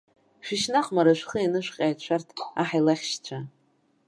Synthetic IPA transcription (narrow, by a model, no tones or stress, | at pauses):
ʃʷᶣɪʃnaqʼmaɾaʃʷχəinɨʃʷᶣqʲʼajt͡ʃʷʰartʰaħajlaχʲʃt͡ɕʷʰa